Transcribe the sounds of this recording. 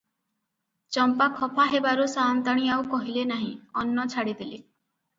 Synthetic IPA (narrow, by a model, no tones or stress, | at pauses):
t͡ʃɔmpakʰɔpʰaɦebaɾusant̪aɽ̃iaukɔɦilenaɦĩɔnːɔt͡ʃʰaɽid̪ile